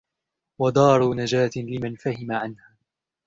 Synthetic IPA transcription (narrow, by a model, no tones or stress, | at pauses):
wɑd̪ˤɑːɾˤunad͡ʒaːt̪lɪmanfahɪmaʕanhaː